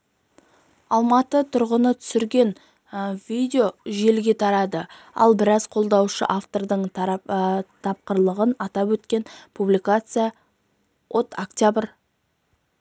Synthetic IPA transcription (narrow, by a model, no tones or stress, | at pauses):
ɑlˠmɑt̪ət̪ʰʊɾʁənət̪ʰʏ̥sɪɾɡʲe̞n | vʲijd̪ʲeo̞ʒe̞lɡʲe̞t̪ʰɑɾɑd̪ə | ɑ̰lˠbɪɾɑzqʰo̞lˠd̪ɑwʃə̰ʔaft̪o̞ɾd̪əɴ | t̪ʰɑp̚qəɾlˠəʁənɑt̪ɑpwɵt̪kʲe̞npʰublijkat̪sɨja | wʔo̞t̪okt̪ʲabər